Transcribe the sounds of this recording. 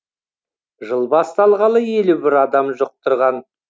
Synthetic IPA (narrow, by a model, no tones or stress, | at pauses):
ʒəlˠbɑst̪ɑlˠʁɑlˠəje̞lubɪɾɑd̪ɑmʒoq̚t̪ʰʊɾʁɑn